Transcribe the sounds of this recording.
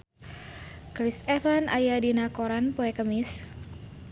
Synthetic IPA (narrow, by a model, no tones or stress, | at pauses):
kɾisɛfanʔajadinakoɾanpoɛkəmɪs